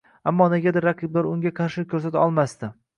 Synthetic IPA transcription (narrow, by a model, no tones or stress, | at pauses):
amːɒneɡʲad̪ɪɾːaqʰɨblaɾʊŋɡʲaqʰɑɾʃɪkʲʰɵɾsat̪ʰɒlˠmast̪ɪ